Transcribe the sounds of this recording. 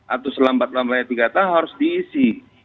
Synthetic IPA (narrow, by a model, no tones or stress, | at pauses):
ʔat̪asəlambat̪̚lambaɲap̪ikat̪aɦaɾʊsd̪iːsi